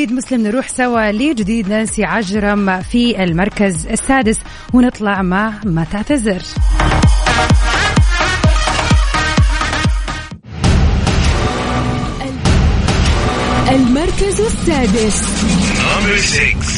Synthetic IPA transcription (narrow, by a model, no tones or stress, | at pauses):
iːd̪mʊslɪmnɾuːħsawalid͡ʒɪd̪iːd̪naːnsiʕaʒɾˤɑmfiɪlmɑɾˤkazɪsːaːd̪ɪs | wɪnɨt̪ˤlɑʕmamat̪ɪʕt̪azɪɾ | ʔalmɑɾˤkazɪsːaːd̪ɪs | m